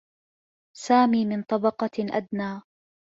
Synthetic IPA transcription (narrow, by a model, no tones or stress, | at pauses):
saːmiːmɪnt̪ˤɑbɑqɑʔa̰d̪naː